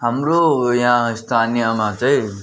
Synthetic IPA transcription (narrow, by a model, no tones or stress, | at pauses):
ɦəmɾoːjãːɪst̪ʰaːnijamãːt͡ʃəe